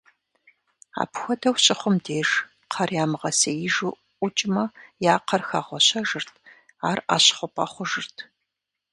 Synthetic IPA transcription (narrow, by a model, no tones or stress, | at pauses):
a̰ːpxʷɔdɐwɕʼɪχʷʊmdeːʒ | qʰɐrjaːmɨʁɐsɐjɪʒu | ʔʷʊt͡ʃʼɪmɐjaːqɐrxaːʁʷɔɕɐʒɨrtʰ | aːra̰ːɕχʷʊpʼɐχʷʊʒɨrtʰ